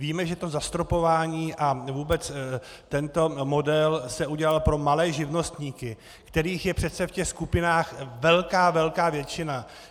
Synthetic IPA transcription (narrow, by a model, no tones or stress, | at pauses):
viːmɛʒɛt̪o̞zast̪ɾo̞po̞vaːɲiːʔavuːbɛt͡s | t̪ɛnt̪o̞mo̞dɛlsɛuɟɛlalpɾo̞malɛːʒɪvno̞st̪ɲiːkɪ | kt̪ɛɾiːxjɛpr̝̥ɛt̪t͡sɛfcɛxskupɪnaːxvɛlkaːvɛlkaːvjɛt͡ʃɪna